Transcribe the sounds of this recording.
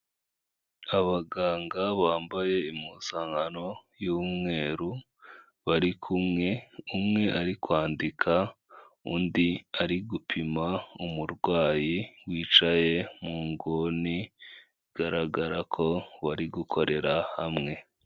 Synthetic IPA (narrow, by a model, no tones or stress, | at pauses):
aβaɡaːŋɡaβaːmbaje̞imusaːŋano̞juːmŋe̞ːɾu | βaɾikʰumŋe̞umŋe̞ʔaɾikwaːndikʰa | undiaɾiɡupʰimaumuɾɡwaːjiwiːt͡ʃaje̞muːŋɡoni | ɡ̥aɾaɡaɾakʰo̞βaɾiɡukʰo̞ɾe̞ɾahamŋe̞